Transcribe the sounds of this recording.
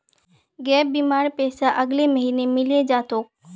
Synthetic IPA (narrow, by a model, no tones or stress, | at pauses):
ɡɛːp̚biːmaːɾpɛːsaʔɐɡleməɦiːnemɪled͡ʒaːt̪oː